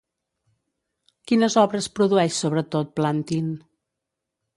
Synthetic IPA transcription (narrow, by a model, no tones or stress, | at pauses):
kinəzɔβɾəspɾuðuɛʃsoβ̞ɾət̪ot̪̚plant̪in